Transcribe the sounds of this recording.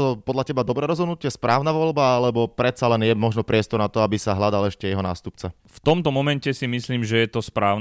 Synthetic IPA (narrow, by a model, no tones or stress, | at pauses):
ɔpɔd̪lacɛbad̪ɔbɾɛːɾɔzɦɔd̪nucɪɛspɾaːʊnaʋɔʎbaalɛbɔpɾɛt̪salɛnjɛmɔʒnɔpɾɪɛst̪ɔɾnat̪ɔabisaɦlad̪alɛʃcɛjɛɦɔna̰ːst̪upt͡sa | ft̪ɔmt̪ɔmɔmɛncɛsimisliːmʒɛjɛt̪ɔspɾaːʊn